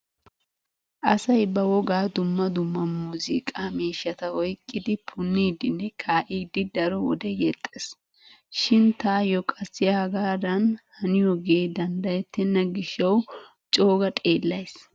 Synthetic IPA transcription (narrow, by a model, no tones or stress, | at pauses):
ʔɐsɐjbɐwɔɡaːd̪ʊmːɐd̪ʊmːɐmuːzɪ̰kʼaːmiːʃːɐt̪ɐwɔjkʼːɪd̪ɪpʰʊnːiːd̪ɪnːɛkʰaːʔiːd̪ɪd̪ɐɾɔwɔ̰d̪ɛjɛt̪ʼːes | ʃɪnt̪aːjɔkʼɐsːɪjɐɡaːd̪ɐnhɐnɪjɔɡed̪ɐnd̪ɐjɛt̪ːɛnːɐɡɪʃːɐw | t͡ʃʼoːɡɐt̪ʼe̞ːlːɐjs